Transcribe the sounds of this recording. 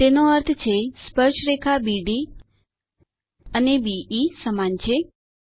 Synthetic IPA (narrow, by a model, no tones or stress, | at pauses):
t̪enoəɾt̪ʰt͡ʃʰespəɾʃɾekʰabiɖi | ənebiisəmant͡ʃʰe